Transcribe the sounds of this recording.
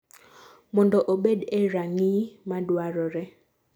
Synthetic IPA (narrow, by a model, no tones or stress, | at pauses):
mɔndɔʔoɓeɗɛɾaŋimadwaɾɔɾɛ